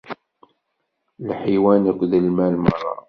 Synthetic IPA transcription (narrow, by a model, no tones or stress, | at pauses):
lħiwænækʷːðəlmælmərˤːɑ̰